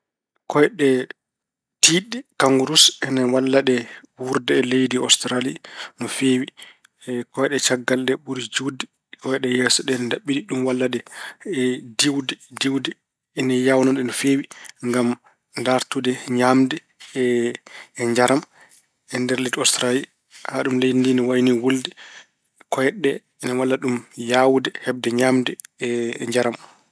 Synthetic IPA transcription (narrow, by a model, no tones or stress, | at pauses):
kɔjɛɗɛ | tiːɗɛkaŋɡuɾusɛnawalːaɗɛwuɾdɛːlejdiɔstɾalinɔfeːwi | kɔjɛɗɛt͡ʃaɡːaldɛɓuɾid͡ʒuwdɛ | kɔjɛɗɛjɛːsɔɗɛnɛndaɓːiɗiɗumwalːaɗɛ | diwdɛdiwdɛ | ɛnajawnɔɗɛnɔfewiŋɡam | ndaɾtudɛɲamdɛ | ɲd͡ʒaɾam | ɛndɛɾlɛtɔstɾali | haɗumlejndinɔwajniwuldɛ | kɔjɛɗɛ | ɛnawalːaɗumjaːwdɛhɛb̚dɛɲamdɛ | ɲd͡ʒaɾam